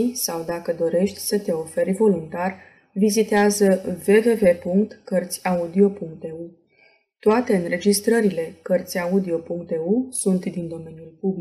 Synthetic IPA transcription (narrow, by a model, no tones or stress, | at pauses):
jsawd̪akəd̪o̞ɾe̞ʃt̪ʲsət̪e̞o̞fe̞ɾʲvo̞lunt̪ar | vizit̪eazəve̞ve̞ve̞puŋk̚t̪kərt̪sʲaud̪io̞puŋk̚t̪eu | t̪oat̪e̞ɨnɾe̞d͡ʒist̪ɾəɾile̞kərt̪sʲjaud̪io̞puŋkt̪eusunt̪d̪ind̪o̞me̞njulpubli